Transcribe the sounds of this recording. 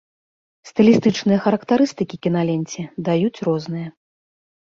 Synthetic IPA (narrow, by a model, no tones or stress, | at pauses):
st̪ɨlʲist̪ɨt͡ʂnɨjɐxɐɾɐkt̪aɾɨst̪ɨkʲikʲinalʲenʲt͡sʲɛd̪ajut͡sʲrɔznɨjɐ